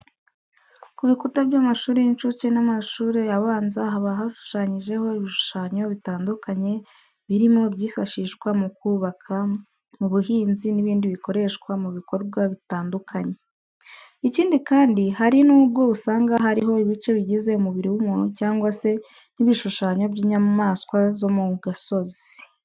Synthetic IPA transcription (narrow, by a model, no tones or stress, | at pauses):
kuβikutaβjaːmaʃuːɾeint͡ʃut͡ʃenamaʃuːɾejaβaːnzaɦaβaɦaʃu̥ʃaːɲiʒe̞ho̞iβiʃu̥ʃaːɲo̞βitaːndukaɲe̞ | βiɾimo̞bɟiːfaʃiːʃkwamukuːβakʰa | muβuɦiːnziniβiːndiβiko̞ɾe̞ʃkwamuβiko̞ɾɡwaβitaːndukʰaɲe̞ | iciːndikaːndihaɾinuːbɡo̞βusaːŋɡaɦaɾiɦo̞iβit͡ʃe̞βiɟize̞umuβiɾiwumocaːŋɡwase̞ | niβiʃuʃaːɲo̞bɟiːɲamaːskwazo̞muɡaso̞zi̥